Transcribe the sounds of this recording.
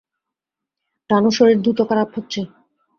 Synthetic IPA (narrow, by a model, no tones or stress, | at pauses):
ʈanoʃoɾeɾd̪ɾut̪okaɾapɦotːɕʰe